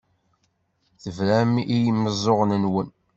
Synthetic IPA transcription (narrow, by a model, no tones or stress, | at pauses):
θəvɾæmijmːəzˤoʁnənwən